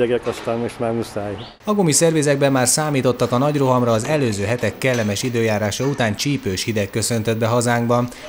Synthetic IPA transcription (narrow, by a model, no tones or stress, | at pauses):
ɛɡɛkɒst̪amoʃmaːmusaːj | ɒɡo̞misɛrveːzɛɡbɛmːaːrsaːmiːt̪o̞t̪ːɒkɒnɒɟro̞ɦɒmrɒːzɛløːzøːɦɛt̪ɛkːɛlːɛmɛʃid̪øːjaːɾaːʃɒut̪aːnt͡ʃiːpøːʃhid̪ɛkːø̞sø̞nt̪ød̪bɛɦɒzaːŋɡbɒn